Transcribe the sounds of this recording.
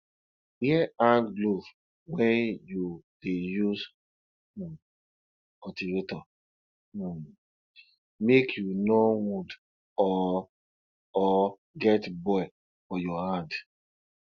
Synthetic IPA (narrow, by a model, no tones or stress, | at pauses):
hiɛãnɡlov | wɛnjud̥ejuz | ɔtiɾitɔ | mekʰjunɔwud | ɔ | ɔ | ɡɛtbɔɪ | fɔjɔhãnd